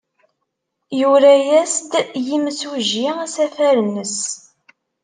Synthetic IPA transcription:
juɾæjæst̪jiməswʒiæsæfæɾnəs

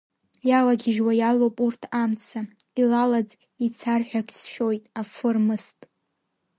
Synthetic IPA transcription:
jalaɡʲɪʒwajalowpʼurtʰamt͡sʰailalad͡z | it͡sʰarħʷᶣakʲʰsʃʲᶣo̞jtʼafɨrmɨstʼ

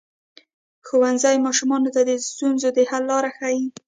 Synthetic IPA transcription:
xowanzajmɑʃumɑnot̪ad̪əst̪unzod̪əhalːɑɾaxaji

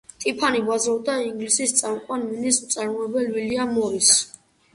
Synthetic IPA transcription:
t̪ʼipʰanibazɾɔvd̪aiŋɡlisist̪sʼamqʼwanminismt̪sʼaɾmɔɛbɛlwiliamɔɾis

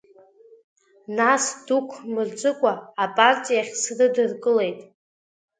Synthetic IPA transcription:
nasd̥ukʷʰmɨrd͡ʒʷʼɨkʷʼaːpʼart͡sʼijaχʲsrɨdɨrkʼɨle̞jtʼ

